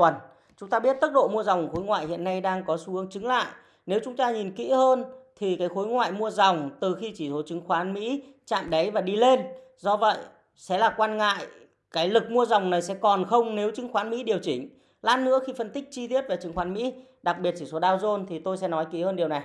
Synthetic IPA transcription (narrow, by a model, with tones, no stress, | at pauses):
ə˨˩n | t͡ɕʊ˨˦ŋ͡mt̪aː˧ɓi˦˥ət̚t̪ə˦˥t̚ɗo̰˧˨mu˧əza˨˩wŋ͡mxo˨˦jŋwa̰ː˧˨jhḭ˧˨ənːa˧jɗaː˧ŋkɔ˨˦su˧˦˨əŋt͡ɕɨ˨˦ŋla̰ː˧˨j | ne˨˦wt͡ɕʊ˨˦ŋ͡mt̪aː˧ɲi˨˩nkḭ˧˥həː˧nt̪ʰi˨˩kaː˨˦jxo˨˦jŋwa̰ː˧˨jmu˧əza˨˩wŋ͡mt̪ɨ˨˩xi˧t͡ɕi˧˩so˨˦t͡ɕɨ˨˦ŋxwaː˨˦nmḭ˧˥ | t͡ɕa̰ː˧˨mɗə˨˦jvaː˨˩ɗi˧le˧n | zɔ˧və̰˧˨j | sɛ̰˧˥laː˨˩kwaː˧nŋa̰ː˧˨j | kaː˨˦jlɨ˨˩k̚mu˧əza˨˩wŋ͡mna˨˩jsɛ̰˧˥kɔ˨˩nxə˧wŋ͡mne˨˦wt͡ɕɨ˨˦ŋxwaː˨˦nmḭ˧˥ɗi˨˩əwt͡ɕï˧˩ŋ̟ | la̰ː˦˥nnɨ̰˧˥əxi˧fə˧nt̪ï˦˥k̚t͡ɕi˧t̪i˦˥ət̚vaː˨˩t͡ɕɨ˨˦ŋxwaː˨˦nmḭ˧˥ | ɗa˨˩k̚ɓi˨˩t̚t͡ɕi˧˩so˨˦ɗaː˧wzo˧nt̪ʰi˨˩t̪o˧jsɛ̰˧˥nɔ˨˦jkḭ˧˥həː˧nɗi˨˩əwna˨˩j